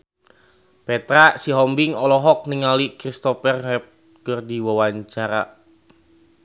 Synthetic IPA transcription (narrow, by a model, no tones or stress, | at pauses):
pɛt̪ɾasiɦɔmbiŋɔlɔɦɔk̚niŋalikɾist̪ɔpɛrɦɛp̚ | kərdiwawaɲt͡ʃaɾa̰